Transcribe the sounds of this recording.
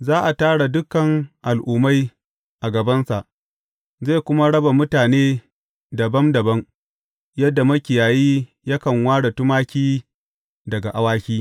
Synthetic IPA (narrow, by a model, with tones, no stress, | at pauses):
zaː˦ʔa˨taː˦ɽa˨dʊ˦kːɐ˨ŋʔa˨lʔʊː˨ma˦j | ʔa˨ɡɐ˨bɐ˦nsa˨ʔ | ze˦˨kʷʊ˦ma˦ɽɐ˦ba˨mʊ˦taː˨neː˦ | dɐ˨bɐ˦mdɐ˨bɐ˦ŋ | jɐ˦dːa˨mɐ˦kʲɪ˨jaː˨jiː˦ | jɐ˦kɐ˨ŋwaː˦ɽa˨tʊ˦maː˦kʲiː˦ | dɐ˨ɡa˨ʔa˨waː˦kʲiː˦